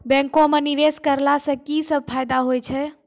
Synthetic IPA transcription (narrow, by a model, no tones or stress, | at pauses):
bɛ̃ŋkõmeniʋeskəɾlasə̃kisəb̚pʰajd̪aɦojt͡ʃʰɛ